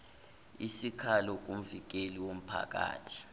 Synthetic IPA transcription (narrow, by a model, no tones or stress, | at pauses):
isikʰalɔk̬um̩vik̬eliwom̩pʰa̰k̬ʼa̰ːtʰi̥